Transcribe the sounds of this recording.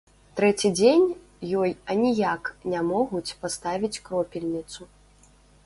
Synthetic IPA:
t̪ɾɛt͡sʲid͡zʲenʲ | jɔjɐnʲijaknʲamɔɣut͡sʲpast̪avʲit͡sʲkɾɔpʲilʲnʲit̪su

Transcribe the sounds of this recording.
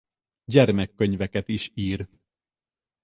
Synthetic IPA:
ɟɛrmɛkːøɲvɛkɛt̪iʃiːr

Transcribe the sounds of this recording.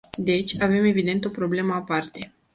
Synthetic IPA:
d̪e̞t͡ʃʲave̞me̞vid̪e̞nt̪o̞pɾo̞ble̞məapart̪e̞

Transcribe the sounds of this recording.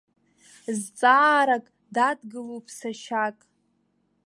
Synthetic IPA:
zt͡sʼaːɾakʼ | dadɡɨlopʼʰsaʃakʼ

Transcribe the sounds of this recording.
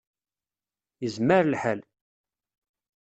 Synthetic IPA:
jəzməɾlħəl

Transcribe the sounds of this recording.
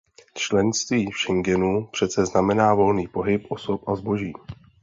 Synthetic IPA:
t͡ʃlɛnst̪viːfʃɛŋɡɛnupr̝̥ɛtt͡sɛznamɛnaːvo̞lniːpo̞ɦɪpʔo̞so̞pʔazbo̞ʒiː

